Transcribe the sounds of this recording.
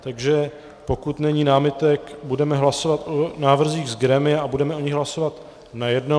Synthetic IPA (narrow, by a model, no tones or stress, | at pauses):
t̪aɡʒɛ | po̞kut̪nɛɲiːnaːmɪt̪ɛkbudɛmɛɦlaso̞vat̪ʔonaːvr̩ziːɣzɡɾɛmɪjɛabudɛmɛʔoɲɪɣɦlaso̞vat̪ | najɛdno